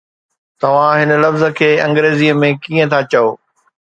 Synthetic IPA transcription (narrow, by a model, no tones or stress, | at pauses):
t̪ɐʋ̤ãɦɪnəlɐfzə̆kʰeːɐ̃ŋɡɾeːziːəmẽkiːə̃t̪ʰat͡ɕɐoː